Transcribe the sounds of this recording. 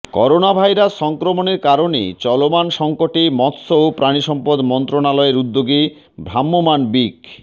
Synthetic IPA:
kɔɾonabʱajɾasʃɔŋkɾomoneɾkaɾonḛt͡ɕɔlomanʃɔŋkoʈimɔt̪soopɾaniʃɔmpod̪mɔnt̪ɾonalɔeɾud̪ːoɡi | bʱɾamːomanbik

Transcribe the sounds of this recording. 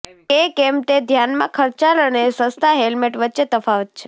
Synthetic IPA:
kekemt̪ed̪ʱjanmã̰kʰəɾt͡ʃalənesə̃st̪ʰaɦelmeʈʋətːt͡ʃet̪əfaʋət̪̚t͡ʃʰe̥

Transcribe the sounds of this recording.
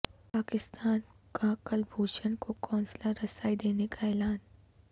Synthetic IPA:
paːkɪst̪aːnkakəlbʱuːt͡ʃənkokɔ̃ːnslaɾɐsaːid̪eːnekaɛːlaːn

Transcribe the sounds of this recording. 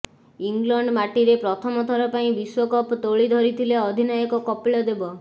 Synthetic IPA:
iŋɡlɔɳɖmaʈiɾepɾɔt̪ʰɔmɔt̪ʰɔɾɔpaĩbiswɔkɔpt̪oɭid̪ʱɔɾit̪ʰileɔd̪ʱinajɔkɔkɔpiɭɔd̪ebɔ

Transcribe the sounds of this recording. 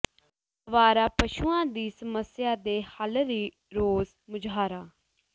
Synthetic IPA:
ʋaːɾaːpəʃuːãːd̪iːsəməsɪjaːd̪eːhəlɾiː | ɾoːz | mʊd͡ʒɦaːɾaː

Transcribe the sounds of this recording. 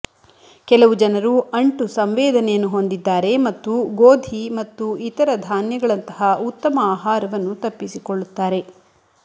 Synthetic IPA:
kɛlɐʋud͡ʒɐnɐɾuʔɐɳʈusɐmʋɛːd̪ɐnɛjɐnːuɦo̞nd̪id̪ːaːɾe̞mɐt̪ːuɡoːd̪ʱimɐt̪ːuit̪ɐɾɐd̪ʱaːnjɐɡɐɭɐnt̪ɐhɐut̪ːɐmɐaːɦaːɾɐʋɐnːut̪ɐpːisikoɭːut̪ːaːɾe̞

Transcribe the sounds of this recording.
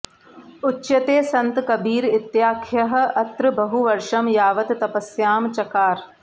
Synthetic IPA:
ʊtːʃɐt̪eːsɐ̃nt̪kɐbiːɾɪt̪jaːkʰjɐɦɐ̆ɐt̪ɾɨbɐɦuʋɐɾʃɐmjaːʋɐt̪t̪ɐpɐsjaːmt͡ʃɐkaːɾ

